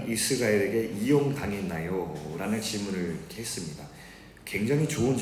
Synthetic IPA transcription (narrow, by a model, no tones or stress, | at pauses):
nisʰɯɡaiɾe̞ɡe̞ʔijoŋtaŋinːajoɾanɯnt͡ɕimunɯɭkʰeɦes͈ɯmɲida | kwe̞ŋd͡ʑaŋit͡ɕoɯnd͡ʑ